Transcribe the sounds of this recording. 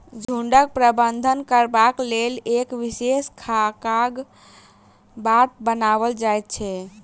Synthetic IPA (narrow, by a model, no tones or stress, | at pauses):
d͡ʒʱuɳɖək̚pɾəbənd̪ʱənkəɾbaklelekʋiseskʰakaɡ | bat̪̚bənaβəld͡ʒajt̪̚t͡ʃʰɛ